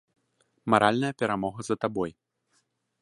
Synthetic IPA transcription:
maɾʔalʲnɐjɐpʲɛɾamɔɣɐzɐt̪abɔj

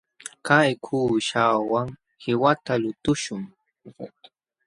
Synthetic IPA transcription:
kajkʰuːʃawaŋ | hɪwat̪alʊt̪ʊʃʊŋ

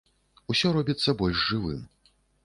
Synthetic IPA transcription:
usʲɔɾɔbʲit̪sːɐbɔlʲʂʐɨvɨ̰m

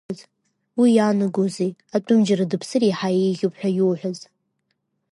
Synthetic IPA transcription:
z | wijanɨɡozeatʼʊmd͡ʒaradɨpʰsɨriħajejɣʲʊpħʷᶣajuːħʷᶣaz

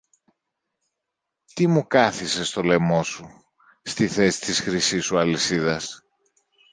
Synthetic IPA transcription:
t̪imukɐθise̞st̪o̞le̞mo̞su | st̪iθe̞si̥t̪isxɾisisuɐlisiðɐs

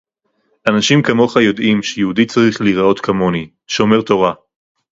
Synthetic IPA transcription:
ʔanaʃimkamo̞χajo̞d̪ʔimʃejeudit͡saʁiχliʁao̞t̪kʰamo̞ni | ʃeome̞ʁt̪o̞ʁa

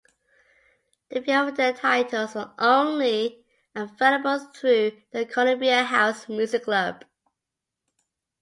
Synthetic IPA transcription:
ðebiəvdətʰaɪtʰəl̩ˠzəʔõʊ̃nli | ə̃nfɛɾəbəlˠθɹʉðəkʰələ̃mbiəɦaʊsmjʉzɪkʰlʌb̥

